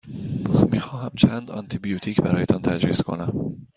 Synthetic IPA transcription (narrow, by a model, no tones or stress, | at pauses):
miːxɒːɦæmt͡ʃʰænd̪ɒ̰nt̪ʰibijut̪ʰiːcʰbæɾɒːjet̪ʰɒnt̪ʰæd͡ʒɾiːskʰo̞̰næm